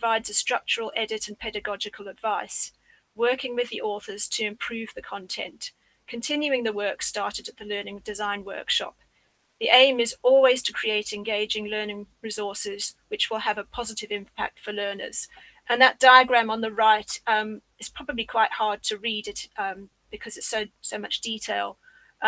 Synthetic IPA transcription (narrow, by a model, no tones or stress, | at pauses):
əvaɪdz̥ɨstɹ̥ʌk̚t͡ʃəɹəl̩ˠʔɛɾɨɾɨ̃npʰɛɾɨɡɑd͡ʒɨkʰəlˠədvaɪs | wɜ˞kɪ̃ŋwɨðiʔɔˑθə˞z̥tʰɨɪ̃mpʰɹ̥ʉvðɨkʰɑ̃ntʰɛ̰̃n | kʰɨ̃ntʰɪ̃njʉɪ̃ŋðəwɜ˞kstɑɹɾɨɾɨt̪̚ðəlɜ˞nɪ̃ŋdɨzãɪ̃nwɜ̰˞kʃɑ̰p̚ | ðiʔẽɪ̃mɪzɔlˠwiz̥tʰəkʰɹ̥ieɪɾɨ̃nɡeɪd͡ʒɪ̃ŋlɜ˞nɪ̃ŋɹɨzɔɹsɪz̥wɨt͡ʃwəlˠəvəpʰɑzɨɾɨvɪ̃mpʰæ̰k̚tfəlɜ˞nə̰˞z̥ | ʔə̃nðət̚d̥aɪəɡɹæ̃mə̃nðəɹaɪtʌ̃m | ɨtz̥pʰɹ̥ɑbəblikʰw̥aɪt̚hɑɹd̚tʰɨɹiɾɪtʌ̃ | b̥ɨkʰʌzɨtsoʊsoʊmʌt͡ʃd̥itʰeɪlˠ